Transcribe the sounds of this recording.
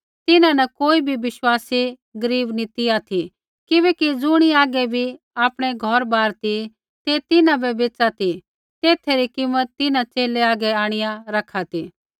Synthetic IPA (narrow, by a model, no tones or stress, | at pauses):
t̪ɪnãnɐkoːibʱibɪʃwaːsi | ɡɐɾiːbnit̪ɪat̪ʰi | kɪʋɛːkid͡zʊɽ̃iaːɡɛbʱi | aːpɽ̃eɡʱɔɾbaːɾt̪i | t̪et̪ɪnãbɛbeːt͡sat̪ʰi | t̪eːt̪ʰeɾikɪmːət̪ːɪnãt͡ʃeːleaːɡɛaːɽ̃ɪjãɾɐkʰat̪iː